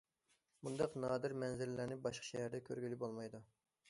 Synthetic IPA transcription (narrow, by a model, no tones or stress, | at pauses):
mund̪ɑqnɑːd̪ɪɾmɛnzɪlɪlæɾnɪbɑʃqʰɑ̥ʃɛhæɾd̪ɛkʲʰøɾɡʲilɪbolˠmɑjd̪u